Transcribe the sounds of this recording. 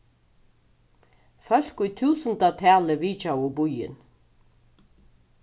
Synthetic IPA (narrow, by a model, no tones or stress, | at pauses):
fœl̥kʊjt̪ʰʉːsənt̪at̪ʰæːləʋiːt͡ʃawʊbʊjɪ̰n